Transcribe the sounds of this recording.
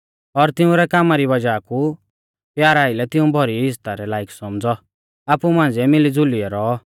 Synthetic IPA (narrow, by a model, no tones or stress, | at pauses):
ɔɾt̪ɪũɾɛkaːmaɾibɐd͡ʒaːku | pjaːɾaːɪlɛt̪ɪũbʱɔɾiɦɪst̪aɾɛlaːiksɔmd͡zɔ | aːpumãːnd͡ziɛmɪlid͡zʊliɛɾɔː